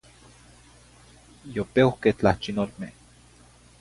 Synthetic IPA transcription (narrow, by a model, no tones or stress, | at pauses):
jopeokeht͡ɬaht͡ʃinolmeh